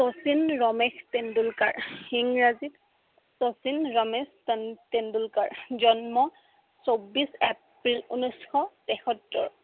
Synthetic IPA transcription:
tosinɹɔmextendulkaɹhiŋɹazit | tosinɹɔmesttendulkaɹzɔnmɔ | sobisep | ɹilunɔsxɔtɛxɔtːɔ̰ɹ

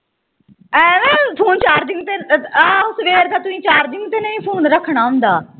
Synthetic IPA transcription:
ɛʋɛːpʰoːnt͡ʃaːɾd̪ɪŋɡt̪eaːʊsʋeːɾt̪aːt̪ʊĩːt͡ʃaːɾd̪ɪŋɡt̪eːnəĩːpʰoːnɾəkʰɽ̃aːɦʊ̃nd̪aː

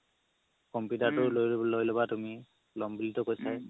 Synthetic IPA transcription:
kɔmpjutaɹtʊlojlojlɔbatumi | lɔmbilitɔkojsaj

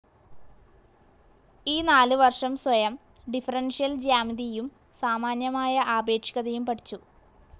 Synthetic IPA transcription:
iːnaːlɨʋɐrʂɐmswɐjɐm | ɖifɐrɐnʂijɐld͡ʑaːmiðijum | saːmaːnjɐmaːjɐʔaːbe̞ːkʂi̥ɣɐðɐjumpɐʈʰi̥t͡ɕːu

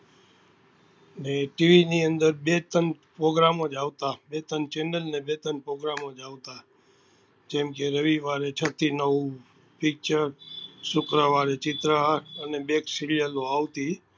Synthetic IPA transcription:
neʈiʋiniənd̪əɾbet̪ənpɾoɡɾamod͡ʒaʋt̪abet̪ənt͡ʃɛnəlnebet̪ənpɾoɡɾamod͡ʒaʋt̪a | d͡ʒɛmkeɾəʋiʋaɾet͡ʃʰət̪ʰinəʋu | pik̚t͡ʃəɾsʊkɾəʋaɾet͡ʃɪt̪ɾaɾənebeksiljəloaʋt̪i

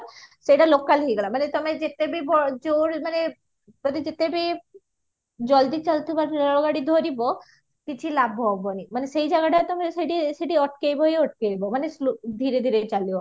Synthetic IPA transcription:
ʃejʈalokːalɦijɡɛlamanet̪omed͡ʑet̪ebibɔd͡ʑoɾmane | mɔd̪ed͡ʑet̪ebi | d͡ʑɔld̪it͡ɕalt̪ebaɾɔoɡaɽid̪ʱoɾibo | kit͡ɕʰilabʱɦɔbonimaneʃejd͡ʑaɡaʈat̪ɔmeseʈiseʈiɔʈ̚kejboejɔʈ̚kebomanesud̪ʱiɾed̪ʱiɾejt͡ɕalio

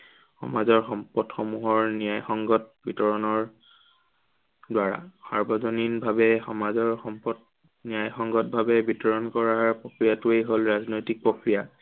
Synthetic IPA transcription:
xɔ̰mazɔɹxɔmpɔdxɔmuɦɔɹnijajxɔŋɡɔt̚bʱitɔɹɔnɔɹ | dwaɹa̰sa̰ɹbɔzɔninbʱabɛxɔmazɔɹxɔmpɔd̚ | nijajxɔŋɡɔt̚bʱabɛbʱitɔɹɔnkɔɹaɹpɹokɹijatuejɦolɹaznojtik̚pɹokɹija

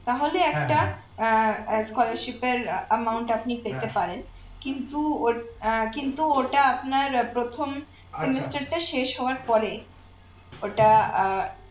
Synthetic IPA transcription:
t̪aɦoleɛk̚ʈa | skɔlaɾʃipeɾəmawɳʈapnipeɾt̪epaɾen | kint̪uokint̪uoʈaapnaɾpɾot̪ʰom | semesʈaɾʈaʃeʃɦɔoaɾpɔɾe | oʈa

